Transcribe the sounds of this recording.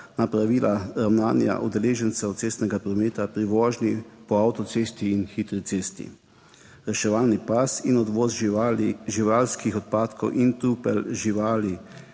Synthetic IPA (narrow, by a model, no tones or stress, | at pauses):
napɾaʋiːlaɾawnaːnja̰ʔud̪ɛleːʒɛnt̪sɛwt̪seːst̪nɛɡapɾɔmeːt̪apɾiʋɔːʒnipɔawt̪ɔt̪seːst̪iːnxit̪ɾit̪seːst̪ḭ | ɾɛʃɛʋaːlnipasinɔd̪ʋoːz | ʒiʋaːlskixɔt̪̚paːt̪kʰɔwʔint̪uːpɛlʒiʋaːli